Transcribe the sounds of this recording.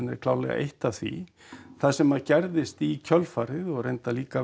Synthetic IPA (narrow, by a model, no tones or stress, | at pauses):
nɪ̰ɾ̥kʰlaːwlɛ̰ɣa̰ʔḛjht̪ḁθvḭ | θaðsɛmaðcɛɾðɪst̪icʰœlfaːɾɪðɔɣrejnt̪aliːka